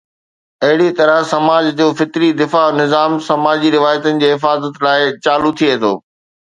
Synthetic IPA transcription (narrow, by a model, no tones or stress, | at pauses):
ɐɦɪɽit̪ɐɾəsɐmaːd͡ʑd͡ʑoːfɪt̪ɾid̪ɪfanɪzaːmsɐmaːd͡ʑiɾɪʋaːjət̪ənɪ̆d͡ʑeːɦɪfaːzət̪laːɪt͡ɕaːlut̪ʰieɦt̪ʰo̰ː